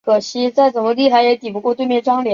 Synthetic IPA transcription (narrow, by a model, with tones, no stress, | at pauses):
kʰɤ˨˩ɕi˧˥t͡sa˥˩ɪt͡sə˨˩mə˧˦li˥˩xa˧˥ɪjɛ˧˥t̪i˨˩pu˧˥kwɔ˥˧t̪we˥˧ɪmjɛ˥˩ʈ͡ʂwɑ˥ŋljɛ˨˧˦